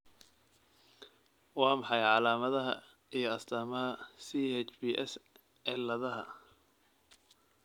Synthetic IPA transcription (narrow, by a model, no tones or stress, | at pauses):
wɑːmɑħɑjʕɑlaːmɐðɐɦɐ̰ | ijɞɐst̪ʰaːmɐɦɐsiːhɛt͡ʃbiːʔɛs | ʕɛlɐðɐɦɐ